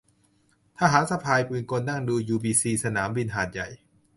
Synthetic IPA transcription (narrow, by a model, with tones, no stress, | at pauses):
t̪ʰaː˥˩ɦaː˩˦nsa˧pʰaː˧jpuː˧nko˧nːa˥˩ŋduː˧juː˧biː˧siː˧sa˧naː˩˦mbi˧nɦaː˨˩t̪̚ja˨˩j